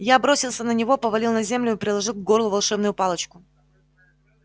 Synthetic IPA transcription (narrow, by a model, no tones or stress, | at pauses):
jabɾosʲɪlˠsʲənənʲɪvo̞pəvɐlʲilˠnɐzʲe̞mlʲʊɪpɾʲɪlˠɐʐɨlˠvɡo̞rlˠʊvɐlˠʂɛbnʊjʊpalˠət͡ɕkʊ